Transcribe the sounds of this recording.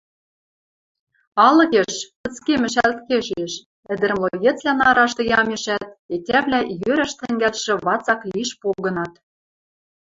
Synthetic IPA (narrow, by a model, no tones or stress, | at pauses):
ɑlɤ̆ɣeʃpɤ̆t͡skemɘ̆ʃælt̪keʃeʃ | ɘ̆d̪ɘ̆ɾ̆mlˠojĕt͡slʲænɑɾɑʃt̪ɤ̆jɑmeʃæt̪̚etʲæβlʲæjøɾæʃt̪ɘ̆ŋɡælʃɘ̆βɑt͡sɑkliʃpoɣɤ̆nɑt̪